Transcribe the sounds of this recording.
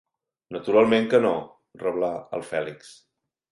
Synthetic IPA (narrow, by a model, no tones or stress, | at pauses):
nət̪uɾalˠmẽŋkəno | rəβlaə̰lˠfɛliks